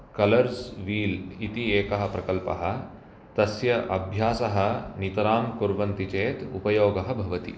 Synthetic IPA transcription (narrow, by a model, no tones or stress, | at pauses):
kɐlɐɾsʋiːlit̪ieːkɐɦɐ̆pɾɐkɐlpɐ̰ɦɐ̆ | t̪ɐsjɐʔɐbʱjaːsɐɦɐ̆nit̪ɐɾaːmkuɾʋɐnt̪it͡ʃeːt̪ṵpɐjoːɡɐɦɐbʱɐʋɐt̪ḭ